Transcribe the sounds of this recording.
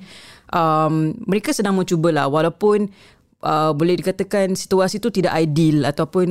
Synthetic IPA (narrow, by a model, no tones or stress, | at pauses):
ʔəmːəɾekasədaŋmə̃t͡ʃubəla̰hwalawpʊn | ʔəbolɛhdikat̪akansi̥t̪uasit̪ut̪ida̰ʔajdilat̪awpʊn